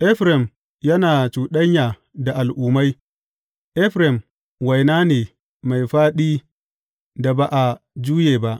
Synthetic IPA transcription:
ʔɛ˦ɸɾɛ˨m | jɐ˦naː˨t͡ʃuː˨ɗɐ˦ɲjaː˨ | da˨ʔa˨lʔuː˨ma˦j | ʔɛ˦ɸɾɛ˨m | wɐ˨jnaː˦neː˨ | ma˨jɸaː˦ɗiː˦ | da˨ba˨ʔa˨ | d͡ʒuː˦jeː˨ba˦ʔ

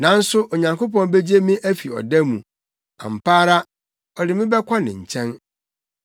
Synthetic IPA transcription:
nã˨n̩˦sʊ˦ʔo˨ɲã˨ŋko˦pɔ̃˦n˦be˦d͡ʑi˦e˦mĩ˦ʔæ˦fi˨ɔ̰˨dɛ˦mũ˨ | ã̰˨m̩˨pʰaː˦ɾa˦ | ɔ˨dɪ˨mɪ̃˦bɛ˦kʷʰa˦nɪ̰̃˨ɲ̩˨t͡ɕʰɛ̃˦n

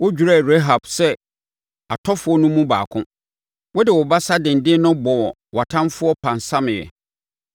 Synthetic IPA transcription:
wɔ˦d͡ʑᶣu˨ɾa˦˨ɾe˦ɦa˨b̥sɛ˦ | a˨tʰɔ˦fʊ˨˦ɔ˦nũ˦mũ˦ba̰ː˨kʰʊ̃˦ | wɔ˦dɪ˨wɔ˨ba˦sa˦dɪ̃˨n˨dɪ̃˦nʊ̃˦bɔ˨wɔ˨ | wa˨tʰã˦mfʊ˦ɔ˦pʰã˨n˨sã˦mɪ̃˨jɛ̰˨

